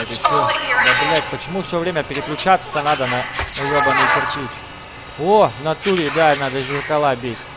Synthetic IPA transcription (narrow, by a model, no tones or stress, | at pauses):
ɛt̪əfsʲod̪ɐbɨlʲat̚ʲpət͡ɕɪmufsʲovɾʲemʲəpʲɪɾʲɪklʲʊt͡ɕat̪sə̥t̪anad̪ənɐɐjod̪ɐnɨjpɪɾtʲit͡ʃkʲ | onɐt̪uɾʲɪːd̪anad̪əʒɨlˠəkɐlˠabʲetʲ